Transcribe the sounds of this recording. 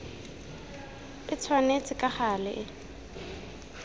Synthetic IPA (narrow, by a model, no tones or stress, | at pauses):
ɪt͡sʰwanet͡sʼɪkʼaχalɪʔɪ